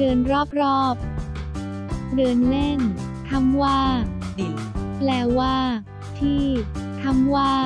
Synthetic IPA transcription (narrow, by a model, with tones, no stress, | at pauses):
dɯː˧nɾɔː˥˩p̚ɾɔː˥˩p̚ | dɯː˧nle˥˩n | t̪ʰa˧˥˩mwaː˥˩diː˨˩ | plɛː˧waː˥˩ | t̪ʰiː˥˩t̪ʰa˧˥˩mwaː˥˩